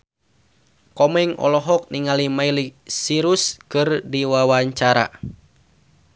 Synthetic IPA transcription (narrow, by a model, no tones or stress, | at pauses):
kɔmɛŋɔ̰lɔɦɔk̚niŋalimailisiɾuskɨrdiwawaɲt͡ʃaɾa̰